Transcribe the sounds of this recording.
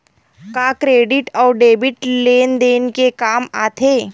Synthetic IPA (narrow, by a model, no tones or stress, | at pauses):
kakɾeːɖɪʈɔːɾɖeːbɪʈleːnd̪eːnkekaːmaːt̪ʰeː